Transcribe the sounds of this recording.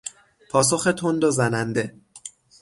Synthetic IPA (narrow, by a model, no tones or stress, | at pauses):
pʰɒːsoxe̞t̪ʰond̪ozænænd̪e